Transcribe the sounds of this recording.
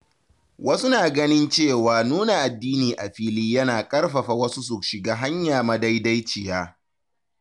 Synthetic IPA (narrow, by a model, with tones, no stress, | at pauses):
wɐ˦su˦naː˨ɡɐ˦nɪ˦nt͡ʃeː˦˨waː˨nuː˦na˨ʔa˨dːiː˦niː˨ʔa˨ɸiː˦liː˦jɐ˦naː˨kʼɐ˦rɸɐ˨ɸa˨wɐ˦su˦s̬u˨ʃɪ˨ɡaː˦ɦa˦ɲjaː˨mɐ˦da˦jda˦jt͡ʃɪ˨jaː˦